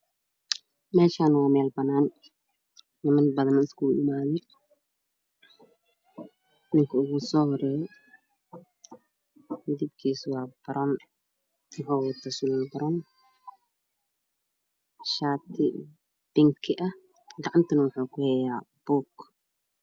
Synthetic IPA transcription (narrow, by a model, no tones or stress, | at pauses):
mɛːʃaːnwɑːmɛːlbɐnaːn | nɪmɐnbɐðɐnɪskʰuːʔɪ̰maːðɛ | ɪnɪŋkʰɐʊɣusɔːhɔɾɛːjɔ | d̪ib̚kʰiːswɑːb̥ɐɾʔɔn | wʊħuːwɑt̪ʰasʊlaːlbɐɾɔn | ʃaːt̪ʰɪ | b̥ɪŋkʰɪʔɐh | ɡɑʕɑnt̪ʰɐnɐwʊħuːkʰʊhɛjaːb̥uːk